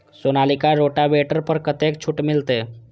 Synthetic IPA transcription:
sonalikaɾoʈaʋeʈəɾpəɾkət̪ek̚t͡ɕʰuʈmilt̪e

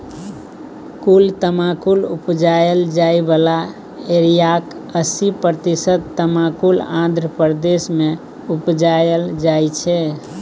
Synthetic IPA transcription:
kult̪əmakulupd͡ʒajəld͡ʒaibala | eɾijakəsipɾət̪isət̪t̪əmãkulãnd̪ʱɾəpəɾd̪esme | upd͡ʒajəld͡ʒajt͡ʃʰɛ

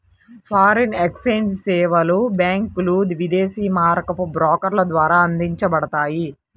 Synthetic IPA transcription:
pʰaːɾɐnekseːnd͡ʒsɛːʋɐlubjaːŋklud̪ʋid̪eːsiːmaːɾɐkɐpubɾoːkɐɾlɐd̪ʋaːɾaːɐnd̪iɲt͡ʃɐbɐɽɐt̪aːji

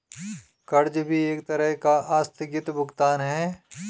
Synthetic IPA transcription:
kɐɾd͡ʒbʱieːk̚t̪ɐɾəɦkaʔaːst̪ʰɪɡɪt̪bʱʊɡt̪aːnɦɛː

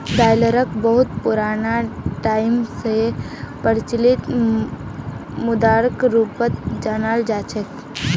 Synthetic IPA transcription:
ʈaːjləɾəkbəɦʊt̪pʊɾaːnaʈaːɪmse | pəɾt͡ʃlɪt̪ | mʊd̪aːɾkɾuːpət̪d͡ʒaːnaːld͡ʒaːt͡ʃʰək

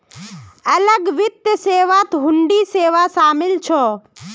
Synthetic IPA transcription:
ələɡʋɪt̪jəseːʋat̪ɦʊɳɖiseːʋasaːmɪlt͡ʃʰɔː

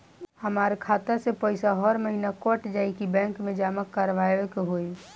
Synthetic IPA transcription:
həmaːɾekʰaːt̪asepəɪsaɦəɾməɦinakɔʈd͡ʒaːikibɛ̃ːŋkmẽd͡ʒaːməkːəɾʋaːjekɦoi

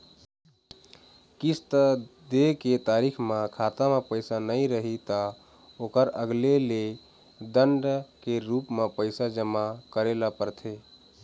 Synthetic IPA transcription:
kist̪əd̪eket̪aɾikʰmẽkʰat̪amepəɪsanəiɾəɦit̪ə | okəɾəɡlele | d̪əɳɖkeɾupmepəɪsad͡ʒəmakəɾelapəɾt̪ʰe

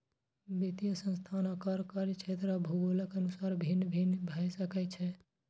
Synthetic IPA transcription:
bit̪ijəsə̃nst̪ʰanakaɾkaɾit͡ʃʰet̪ɾabʱubuləkənusaɾbʱinbʱinbʱajsəkɛt͡ʃʰɛ

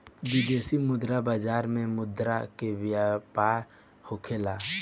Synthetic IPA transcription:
bid̪eːsimʊd̪ɾabaːd͡ʒaːɾmẽmʊd̪ɾakewjapaːɾ | hokʰelaː

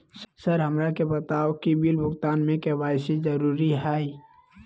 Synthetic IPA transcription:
ssəɾɦɐmɾakebɐt̪aːokibilbʱʊɡt̪aːnmẽkeʋaːɪsizɐɾuːɾiɦaːi

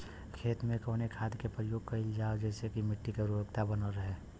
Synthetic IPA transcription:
kʰeːt̪mẽkoːnekʰaːd̪kepɾəjoːɡkɐɪld͡ʒaːod͡ʒɛːsekimɪʈːikeɾuɾəkt̪abənəɾəɦeː

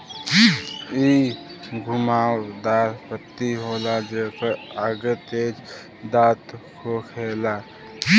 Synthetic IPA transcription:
i | ɡʱumaːwd̪aːɾpət̪ːiɦoːlad͡ʒekəaɡət̪eːd͡ʒ | d̪aːt̪kʰokʰela

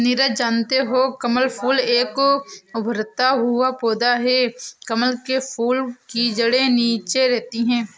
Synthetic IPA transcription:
nɪɾəd͡ʒaːnt̪eɦoːkəməlpʰuːleːkʊbʱəɾt̪aɦʊapoːd̪aɦɛːkəməlkepʰuːlkid͡ʒəɽeniːt͡ʃeɾɛɦt̪iɦɛ̃ː

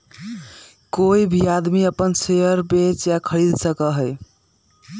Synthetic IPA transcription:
koibʱiad̪miəpənsejəɾbet͡ʃjakʰəɾid̪səkəɦəj

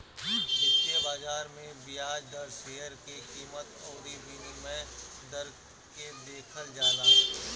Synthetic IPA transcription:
ʋɪt̪ːijəbaːzaːɾmẽbɪjaːd͡ʒd̪əɾʃeːəɾkikiːmət̪ɔːɾibinimẽd̪əɾ | ked̪eːkʰəld͡ʒaːlaː

